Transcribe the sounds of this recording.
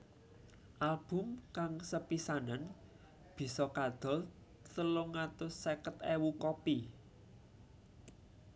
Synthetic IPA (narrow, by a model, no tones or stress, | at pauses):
ʔalb̥ʊ̤mkaŋsəpisanan | b̥i̤sɔkad̪̥ɔ̤l | t̪əlʊŋat̪ʊsekət̪ewukɔpi